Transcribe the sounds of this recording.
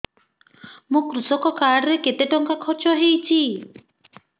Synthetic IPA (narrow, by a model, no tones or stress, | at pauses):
mukɾusɔkɔkaɽɾeket̪eʈɔŋɡakʰɔt͡ʃɔɦejt͡ʃi